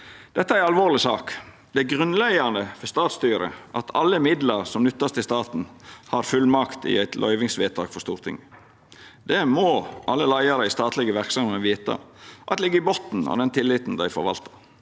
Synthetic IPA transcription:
d̪̥ɛt̪ːəææɾɑlʋoːlɪsɑːk | d̪̥ɛæɡʁʉnlɛɡɑnd̪əfɔst̪ɑːt̪st̪yːɾə̰ʔɑt̪ʰɑlːəmɪd̪lɑɾsɔmnʏt̪ːɑst̪ɪst̪ɑːt̪n̩hɑɾfʉlmɑkt̪ɪ̰æɪt̪ʰlʔœ̰ʏʋɪŋsʋɛːt̪ʰɑ̰ːɡ̥fɔst̪uːɾt̪ʰɪ̰ŋ | d̪̥ɛmɔʔɑlːəlæɪɑɾəɪst̪ɑːt̪lɪɡəʋæɾksɑməʋiːt̪ɑ̰ʔɑ̰t̪lɪɡːəɪbɔt̪n̩ɔ̰d̪ɛnt̪ʰɪlːɪt̪n̩d̪æɪfɔɾʋɑ̰lt̪ɑ̥

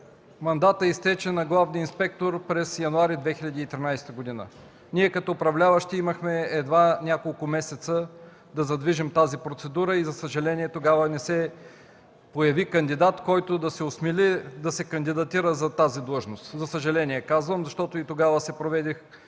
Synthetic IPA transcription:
mɐnd̪at̪əist̪ɛt͡ʃɛnɐɡlˠavniinspɛk̚t̪oɾpɾɛsjɐnuaɾid̪vɛxiʎʲɐd̪iːt̪ɾinajst̪əɡod̪inə̰ | niɛkɐt̪ɔːpɾɐvlʲavəʃt̪iiməxmɛɛd̪vanʲakolˠkʊmɛsɛt̪sə | d̪ɐzɐd̪viʒimt̪azipɾot̪sɛd̪uɾəizɐsəʒɐlɛniɛt̪oɡavənɛsɛ | pojɐvikɐnd̪id̪at̪kɔjt̪od̪ɐsɛosmilid̪ɐsɛkɐnd̪id̪ɐt̪iɾəzɐt̪azid̪lˠɤʒnost̪zɐsəʒɐlɛniɛkazvəmzɐʃt̪ɔt̪oit̪oɡavəsɛpɾovɛd̪ix

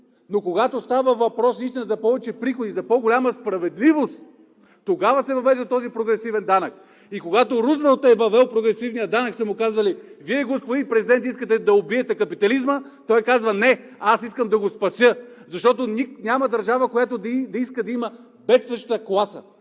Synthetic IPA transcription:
nokoɡat̪ost̪avəvɐpɾɔsist̪inəzɐpɔvɛt͡ʃɛpɾixod̪izɐpɔɡolʲaməspɾɐvɛd̪livost̪ | t̪ːoɡavəsɛvɐvɛʒd̪ɐt̪ɔzipɾoɡɾɛsivɛnd̪anək | ikoɡat̪oɾuzɾəlˠt̪ɛvɐvɛlˠpɾoɡɾɛsivnijəd̪anəksɛmʊkazvɐliviɛɡospod̪ipɾɛzid̪ɛnt̪iskət̪ɛd̪ɐobiɛt̪ɛkɐpit̪ɐlizmə | t̪ɔjkazvɐnɛasiskəmd̪ɐɡospɐsjəzɐʃt̪ɔt̪onʲinʲamɐd̪ɐɾʒavəkojat̪od̪d̪ɐiskəd̪ɐimə | bɛt̪svəʃt̪t̪əklˠasə̰

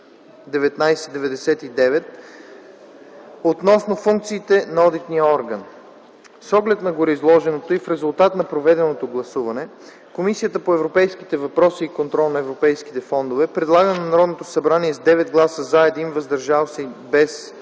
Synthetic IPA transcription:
d̪ɛvɛt̪najsɛd̪ɛvɛd̪ɛsɛt̪id̪ɛvɛt̪ | ot̪nɔsnofuŋkt̪siːt̪ɛnɐɔd̪it̪nijəɔɾɡən | sɔɡlɛt̪nɐɡʊɾiizlˠɔʒɛnot̪oifɾɛzʊlˠt̪at̪nɐpɾovɛd̪ɛnot̪oɡlˠɐsuvɐnɛ | komisijət̪əpoɛvɾopɛjskit̪ɛvɐpɾɔsiːkont̪ɾɔlˠnɐɛvɾopɛjski̥t̪ɛfɔnd̪ovɛpɾɛd̪lˠaɡənɛnɐɾɔd̪not̪osɐbɾaniɛzd̪ɛvɛd̪̚ɡlˠasəzaɛd̪invɐzd̪ɐɾʒalˠsɛbɛs

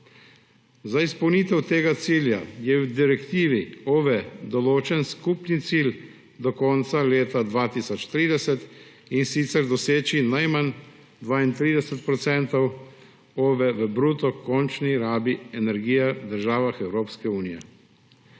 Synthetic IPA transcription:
zaispɔwnit̪ɛwt̪eːɡat̪siːlja̰jɛwd̪iɾɛkt̪iːʋioːʋɛd̪ɔloːt͡ʃɛnskuːpnit̪siːl | d̪ɔkɔnt̪saleːt̪ad̪ʋaːt̪iːsɔt͡ʃt̪ɾiːd̪ɛsɛt̪ | insit̪sɛɾd̪ɔseːt͡ʃinajman | d̪ʋaːint̪ɾiːd̪ɛsɛt̪̚pɾɔt̪sɛnt̪ɔw | oːʋɛʋəbɾuːt̪ɔkɔnt͡ʃniɾaːbiɛnɛɾɡiːjad̪əɾʒaːʋaxɛwɾoːpskɛuːnijɛ̰

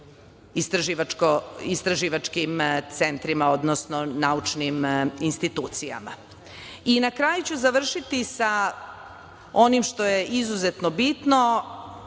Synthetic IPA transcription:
ist̪ɾaʒiʋakoist̪ɾaʒiʋat͡ʃkimt̪sent̪ɾimao̞d̪nosno̞naut͡ʃniminst̪it̪uːt̪sija̰ma̰ | inakɾaːjut͡ɕuzaʋr̩ʃit̪isa | o̞nimʃt̪o̞je̞ʔizuzet̪nobit̪no

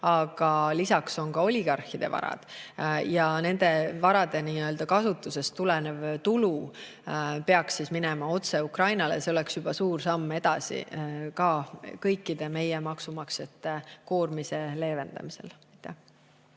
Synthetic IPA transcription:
ɑɡ̥ɑlisɑkso̞nkɑo̞lʲiɡ̥ɑrhid̪̥e̞̰vɑ̰ɾɑ̰d̪̥jɑne̞nd̪̥e̞vɑɾɑd̪̥e̞niːø̞ld̪̥ɑkɑsut̪ːˑuse̞st̪ulɛnevt̪ulu | pe̞ɑksːisminemɑo̞t̪se̞ukrɑjnɑlḛseo̞leksjub̥ɑsuːrsɑmːe̞d̪̥ɑsḭkɑkɤjkːid̪e̞me̞jemɑksumɑkset̪ːˑeko̞ːrmise̞le̞ːve̞nd̪̥ɑ̰mise̞̰lɑjt̪ːˑæh

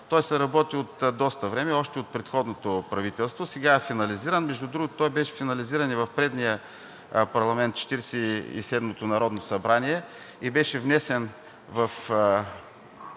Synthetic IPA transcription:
t̪ɔjsɐɾɐbɔt̪iot̪d̪ɔst̪ɐvɾɛmɛɔʃt̪ɛot̪̚pɾɛt̪xɔd̪not̪opɾɐvit̪ɛlˠst̪vosɛɡaɛfinɐliziɾənmɛʒd̪ud̪ɾuɡʊtt̪ɔjbɛʃɛ̥finɐliziɾɐnivɐfpɾɛd̪nijə | pɐɾlˠɐmɛnt̪̚t͡ʃɛ̥t̪iɾɛsɛḭsɛd̪mot̪onɐɾɔd̪nosɐbɾaniɛ | ibɛʃɛvnɛsɛn | vɐf

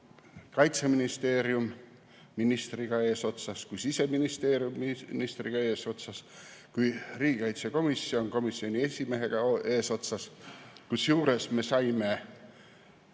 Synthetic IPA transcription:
kɑjt̪seminist̪e̞ːɾjumː | inist̪riɡ̥ɑe̞ːso̞t̪sɑskujsise̞minist̪e̞ːɾjumːnist̪riɡ̥ɑe̞ːso̞t̪sɑskujriːɡikɑjt̪seko̞misːionko̞misːio̞nʲie̞sʲime̞ɦe̞ɡ̥ɑe̞ːso̞t̪sɑskusjuːɾe̞sme̞sɑjme̞

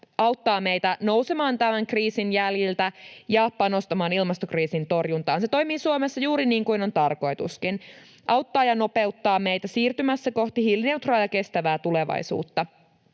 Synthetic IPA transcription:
ɑwt̪ːɑːme̞jt̪æno̞wse̞mɑːnt̪æmæŋkriːsinjæljilt̪æjɑpɑno̞st̪ɑmɑːnilmɑst̪okriːsint̪o̞rjunt̪ɑːnse̞t̪o̞jmiːsuomesːɑjuːɾiniːŋkuino̞nt̪ɑrko̞jt̪ṵskin | ʔɑwt̪ːɑːjɑno̞pe̞ut̪ːɑːmejt̪æsiːrt̪ymæsːæko̞ht̪ihilneuwt̪rɑːjɑke̞st̪æʋæːt̪ule̞ʋɑ̰jsṵːt̪ːɑ

